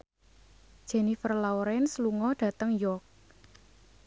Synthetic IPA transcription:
d̥ʒ̥ɛ̤nifərlawɾɛnsluŋɔɖ̥ä̤t̪əŋjɔrk̚

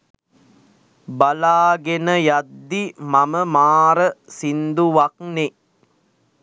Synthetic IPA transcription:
balaːɡenəjad̪ːimɐməmaːɾəsind̪uʋakne

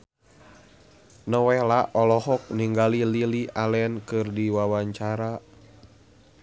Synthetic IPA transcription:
nəwɛlaʔɔlɔhɔk̚niŋɡalililialɛnkɨrdiwawaɲt͡ʃaɾa

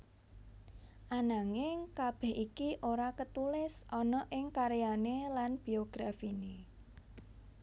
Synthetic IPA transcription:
ʔanaŋɪŋkab̥ɛ̤hikiʔoɾakət̪ulɪsʔɔnɔʔɪŋkaɾjanelanb̥i̤oɡ̥ɾafine

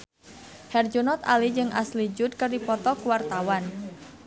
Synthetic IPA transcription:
hɛrd͡ʒunɔt̪a̰lid͡ʒɨŋʔa̰slid͡ʒʊt̪̚kɨrdipɔt̪ɔkuwart̪awan

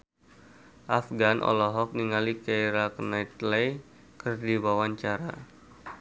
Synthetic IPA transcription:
ʔafɡanʔɔ̰lɔɦɔk̚niŋalikajɾaknait̪lɛj | kɨrdiwawaɲt͡ʃaɾa

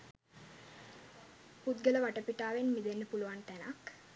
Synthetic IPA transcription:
put̪ɡələʋaʈəpiʈaːʋenmid̪enːəpuluʋant̪ænak

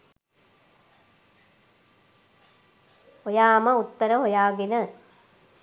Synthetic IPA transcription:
hojaːmɐut̪ːɐɾɐɦojaːɡinɐ

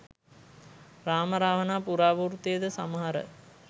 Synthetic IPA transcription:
raːməɾaːʋənaːpuɾaːʋuːrt̪ijəd̪əsa̰məɦaɾə̰

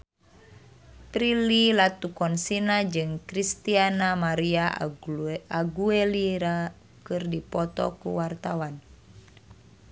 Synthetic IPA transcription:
pɾililat̪ukɔnsinad͡ʒɨŋkɾist̪ianamaɾia | aɡueliɾa | kɨrdipɔt̪ɔ̰kṵwart̪awan

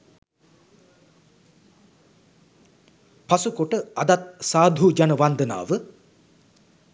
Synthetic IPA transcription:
pasukoʈəad̪at̪̚saːd̪ʱud͡ʒanəʋand̪əna̰ːʋə

